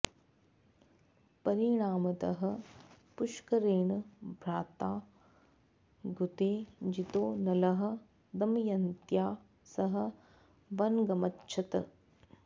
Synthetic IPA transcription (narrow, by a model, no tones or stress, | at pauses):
pɐɾiɳaːmɐt̪ɐɦɐ̆puʃkɐɾeːɳɐbʱɾaːt̪aː | ɡut̪eːd͡ʒit̪oːnɐlɐɦɐ̆ | d̪ɐmjɐnt̪jaː | sɐɦɐ̆ | bɐnɡɐmɐtːʃʰɐt̪ɐ